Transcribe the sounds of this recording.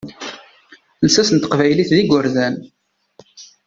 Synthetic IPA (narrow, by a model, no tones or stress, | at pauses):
nsæsənt̪ə̥qvæjliθðiɡʷʊɾðæn